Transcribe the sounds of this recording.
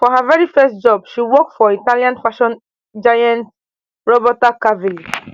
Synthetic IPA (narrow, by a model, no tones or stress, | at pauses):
fɔɦavɛɹifɛst̚d͡ʒɔbʃiwɔkfɔitaliãnfaʃɔ̃n | d͡ʒajãnt | ɹɔbɔtakavili